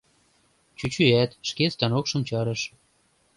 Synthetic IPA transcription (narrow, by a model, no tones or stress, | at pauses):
t͡ɕyt͡ɕyæt̪ʃkest̪ɑnokʃɤ̆mt͡ɕɑɾɤ̆ʃ